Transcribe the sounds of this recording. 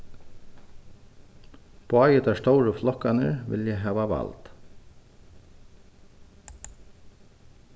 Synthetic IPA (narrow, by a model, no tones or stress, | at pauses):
pʰoːɑjət̪ɑːst̪owɹəflɔkɑnəɹʋɪ̰ljæɦɑːʋɑʋɑ̰lt̪